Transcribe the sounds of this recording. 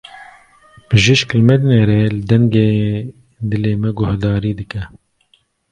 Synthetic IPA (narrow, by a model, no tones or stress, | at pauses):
bɨʒiʃklmɛd̪neːɾeːlɨd̪ɛŋɡeː | d̪ɨleːmɛɡʊhd̪ɑːɾiːd̪ɨkɛ